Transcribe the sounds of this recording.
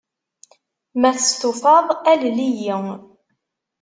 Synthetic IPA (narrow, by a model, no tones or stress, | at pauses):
mæθəst̪ʊfɑðˤællijiŋ